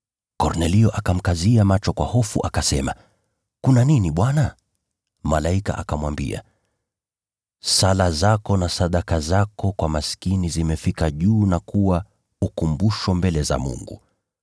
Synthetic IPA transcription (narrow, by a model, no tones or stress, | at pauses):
kɔɾnɛliɔʔakam̩kaziamat͡ʃɔkwahɔfṵʔakasɛma | kunaniniɓwana | malaika̰ʔakamwambḭa̰ | salazakɔnasaɗakazakɔkwamaskinizimɛfikaʄuːnakuwa | ukumbuʃɔmbɛlɛza̰mṵŋɡṵ